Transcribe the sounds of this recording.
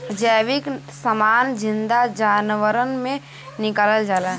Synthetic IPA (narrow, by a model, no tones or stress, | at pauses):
d͡ʒəːʋɪk | səmaːnd͡ʒɪ̃nd̪ad͡ʒaːnʋəɾənmẽ | nɪkaːləld͡ʒaːla